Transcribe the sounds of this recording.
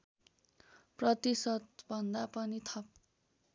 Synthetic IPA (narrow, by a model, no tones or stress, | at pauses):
prʌt̪isʌt̪bʱʌnd̪apʌnit̪ʰʌp̚